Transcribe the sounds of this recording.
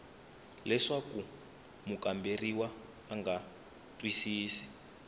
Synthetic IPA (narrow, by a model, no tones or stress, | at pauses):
lɛʂaku | mukamberiwaː | ŋɡa | tʼwisiːsi̥